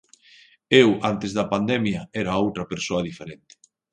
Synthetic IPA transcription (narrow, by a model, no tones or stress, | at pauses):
ewant̪ezðɐpand̪ɛmjɐɛɾɐowt̪ɾɐpeɾsoɐðifeɾɛnt̪ɪ̥